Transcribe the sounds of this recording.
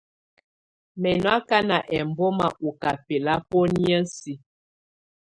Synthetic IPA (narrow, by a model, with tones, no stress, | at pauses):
mɛ˨nwa˦ka˦na˨ʔɛ˨m˨bɔ˦ma˨ʔu˨ka˨pe˨la˦pɔ˦njə˦si˦